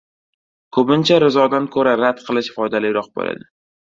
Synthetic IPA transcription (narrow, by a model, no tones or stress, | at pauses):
kʰɵbɪnt͡ʃʰaɾɪzɒd̪ankʰɵɾaɾad̪qʰɨlˠɪʃfɒjd̪alɪjɾɒq̚bo̰la̰d̪ɪ